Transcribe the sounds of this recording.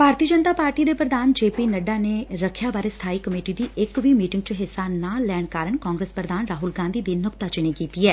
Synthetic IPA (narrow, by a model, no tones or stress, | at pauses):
bʱaːɾt̪iəd͡ʒənt̪aːpaːɾʈiːd̪eːpɾəd̪aːnd͡ʒeːpiːnəɖaːneːɾəkʰjaːbaːɾeːst̪ʰaːiːkəmeːʈiːd̪iːʔɪkʋiːmiːʈɪ̃ŋɡt͡ʃəɦɪsːaːnaːlɛːɽ̃kaːɾəɳkãːŋɡɾespɾəd̪aːnɾaːɦʊlɡãːnd̪iːd̪iːnʊkt̪aːt͡ʃɪniːkiːt̪iːɛː